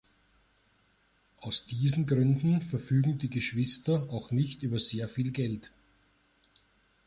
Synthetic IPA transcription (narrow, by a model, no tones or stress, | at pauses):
ʔaʊsd̥iːzn̩ɡʁʏndn̩fɛɐfyːɡŋ̩diːɡeʃv̥ɪstɐaʊxnɪçtʔyːbɐzeːɐfiːlɡɛlt